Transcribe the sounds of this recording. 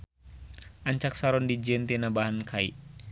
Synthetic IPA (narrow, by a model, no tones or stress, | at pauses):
ʔaɲt͡ʃak̚saɾɔndid͡ʒɛnt̪inabaɦankʰaḭʔ